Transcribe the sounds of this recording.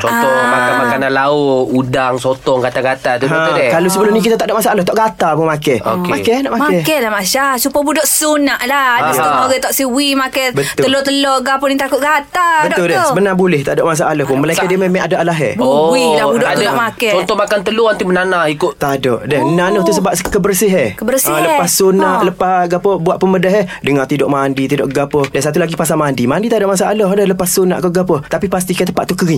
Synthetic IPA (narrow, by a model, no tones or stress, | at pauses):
t͡ʃɔnt̪ɔmakamakanalaoʔudaŋsot̪ɔŋɡat̪aɡat̪at̪uɦãdɛkalosəbəlʊhnik̬it̪at̪aʔdɔʔmasaʔalɔht̪ɔʔɡat̪apʊŋmakɛho̰kmakɛnaʔmamaɛkɛlamasasupəbudɔʔsunaʔladɔkamoɡɛt̪ɔʔsiwimakɛbət̪ʊəlot̪əloɡapʊnit̪akʊʔ̚ɡat̪abədt̪ʊldɛbənabulɛht̪adɔʔmas̬aʔaləhpʊnməlajkaʔdiəmemaadaʔalaɦɛ̰bwidaudɔdɔʔʔmakɛt͡ʃɔnt̪ɔmakant̪əluant̪imənanahikʊt̪t̪adɔ̰ʔdɛhənanʊht̪usəbap̚skəbərsɪɦɛkəbərsãləpassonaʔləpaɡapəbuwaʔ̪̚pənmədəɦədəŋat̪idɔʔmaːndit̪idɔ̰ʔɡapədansat̪ulaɡipas̬amandimandit̪adɔʔmas̬aʔaloɦdəhləpasːonaʔkɔɡapət̪apipast̪ikajət̪əpaʔ̪t̪ukəɾi